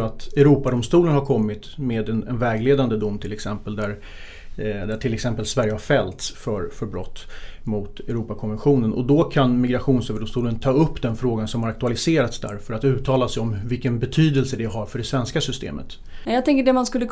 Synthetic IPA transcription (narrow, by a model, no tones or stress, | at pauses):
at̪ɛɾuːpad̪ɔmst̪uːlənhaɾkʰɔmːɪt̪meːd̪ɛnɛnvɛːɡleːd̪and̪əd̪ʊmːt̪ʰɪlɛksɛmpəld̪æɾ | d̪æʈʰɪlɛksɛmpəlsvæɾjəhaɾfɛlt̪sfœɾfœɾbɾɔt̪ːmʊt̪ɛɾuːpakʰɔnvɛnɧuːnənʔɔ̰d̪ɔkʰanmɪɡɾaɧuːnsøːvəɖʊmst̪uːlənt̪ʰɑːɵpːd̪ɛnfɾoːɡansɔmhaɾakt̪ɵalɪseːɾat̪sd̪æ̰ɾfœɾat̪ʉ̟ːt̪ʰːɑːlasɛjɔmvɪlkənbɛt̪ʰyːd̪əlsəd̪ɛɦaɾfœɖɛsvɛnskasʏst̪ḛːmə̰t̪ | ɛjɑt̪ɛŋkəɖɛmanskɵlːə